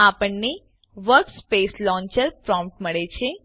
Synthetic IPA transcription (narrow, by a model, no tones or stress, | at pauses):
apəɳne | ʋəɾkspeslɔ̃ɲt͡ʃəɾpɾɔ̃mpʈməɭet͡ʃʰe